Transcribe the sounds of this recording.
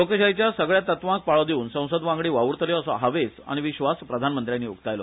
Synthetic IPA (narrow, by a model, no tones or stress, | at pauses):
lokəɕajt͡ɕjasəɡɭjat̪ət̪ʋãk̚paɭɔd̪euːnsə̃w̃səd̪ʋãŋɡɭiːʋaʋuɾt̪ʰəljɔəsɔ̰ɦaʋesa̰ɽ̃iʋiɕʋaspɾəd̪ʱanmənt̪ɾjanːiːṵkt̪ajlɔ